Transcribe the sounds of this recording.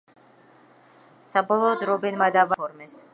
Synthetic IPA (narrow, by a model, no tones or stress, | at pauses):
sabɔlˠɔːd̪ɾɔbɛnmad̪avaɔɾmɛs